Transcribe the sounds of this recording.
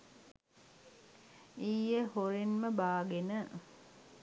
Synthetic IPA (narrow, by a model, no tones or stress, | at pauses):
ijəhoɾinməbaːɡenə